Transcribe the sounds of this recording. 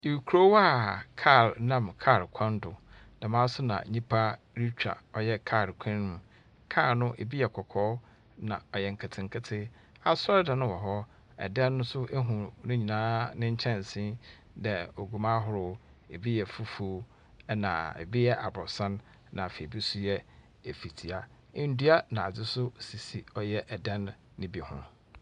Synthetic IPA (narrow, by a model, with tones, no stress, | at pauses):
i˨ɾu˨kʰu˨ɾo˦wa˦˨kʰa˦˨ɾnã˦˨mkʰa˦˨ɾkʷʰã˦ndʊ˨ | da˨mãː˦sʊ˦nã̰˨ɲĩ˦pʰa˦ | ɾi˦t͡ɕᶣa̰˨ɔ˨jɛ˦kʰa˦˨ɾkʷʰã˦nːʊ̃˨ | kʰa˦˨nʊ̃˦ʔe˨bi˦jɛ˨kʰɔ˨kʰɔː˦ | nã̰˨ɔ˨jɛ˨ŋ̩˨kʰɪ˨tʰɪ̃˨ŋ̩˨kʰɪ˦tʰɪ˦ | a˦sɔ˦ɾda˨nʊ̃˦wɔ˨ɦɔ˦ | ɛ̰˨dɛ˦nːʊ̃˦sʊ˦ʔe˦ɦũ˨nʊ̃˦ɲĩ˨nãː˦nɪ̃˦ɲ̩˦t͡ɕʰɛ̃˦n˨sĩ˦ | dɛ˨o˨ɡu˨mã˦ɦʊ˨ɾʊ˦ | e˨bi˦jɛ˨fu˦fu˦ | nã̰˨ḛ˨bi˦jɛ˦ʔa˨bɾɔ˨sã˦n | nã˨fe˨bi˦sʊ˦jɛ˦ | e˨fi˨tʰi˨a˨˦ | n̩˦du˦a˦nã˨a˨d͡zɪ˦sʊ˦˨si˨si˨ɔ˦jɛ˦ʔɛ˨dɛ̃˦nː | ɪ̃˦bi˦hʊ̰̃˦